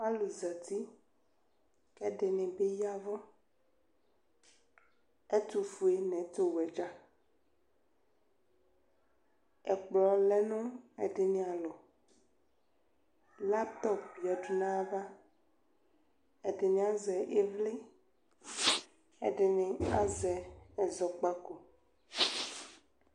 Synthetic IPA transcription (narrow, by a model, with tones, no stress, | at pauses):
mã˦lu˨za˨t̪i˦ | kɛ˦ɖe˨nẽ˨be˦ja˦vɔ˦ | e˦t̪u˨fu˨e˦nɛ̃˨˦t̪o˦wɛ˨d͡ʒa˦ | ɛ˨k͡plɔ˨lɛ˦nũ˦ɛ̰˨ɖe˨nẽ˨a˨lɔ˨ | la˦pt̪ɔ˦p̚ja˨ɖu˨nã˦va˦ | e˨ɖe˨nẽ˨˦a˦zɛ˨ʔe˦vle˦ | ḛ˨ɖe˨nẽ˨a˦zɛ˨ɛ˨zɔ˨k͡pa˦ko˨